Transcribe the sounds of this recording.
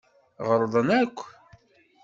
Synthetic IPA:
ʁəɾˤðˤənækʷː

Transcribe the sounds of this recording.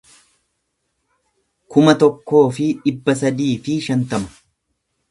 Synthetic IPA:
kʊmɐt̪ɔkːo̞ːfɪᶑɪbːɐs̬ɐd̪iːfɪʃɐnt̪ɐmɐ̥

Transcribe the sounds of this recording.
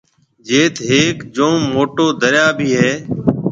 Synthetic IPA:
d͡ʒeːt̪ʰɦeːkd͡ʒõːmoːʈoːd̪əɾjaːbʱiːɦeː

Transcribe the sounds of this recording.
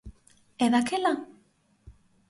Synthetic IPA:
eðakʰela

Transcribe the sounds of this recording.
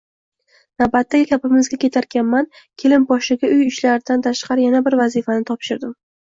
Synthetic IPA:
nawbat̪ːaɡʲɪkʲʰapɪmɪzɡʲakʲʰe̞t̪ʰaɾkʲʰanman | kʲʰelɪmbɒʃɪɡʲaʊjʊʃlaɾɪd̪ant̪ʰaʃqɑɾɪjanabɪɾvazifanɪt̪ʰɒpʃɪɾd̪ɪm

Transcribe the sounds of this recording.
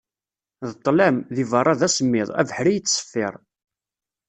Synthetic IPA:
ðət̪ˤːlæmðivɑrˤːɑðæsəmːɪðˤæ̰vəħɾijət͡sːsə̥fːɪɾˤ

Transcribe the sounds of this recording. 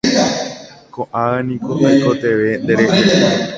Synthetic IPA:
koʔaenĩkoʔojkot̪e̞ʋend̪eɾeʔe

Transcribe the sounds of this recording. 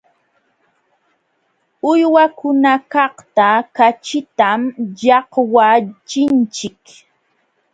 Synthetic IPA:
ʊjwakʊnakɑht̪akat͡ʃɪt̪amʎɑhwat͡ʃɪnt͡ʃɪk

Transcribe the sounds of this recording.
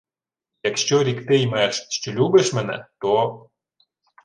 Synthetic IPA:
jakʃt͡ɕoɾʲikt̪ejmaʃt͡ɕŏlʲubeʃmənæ̰t̪o

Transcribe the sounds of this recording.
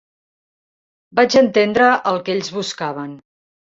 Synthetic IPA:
bad͡ʒənt̪end̪ɾəʔəlˠkeʎzβuskaβ̞ən

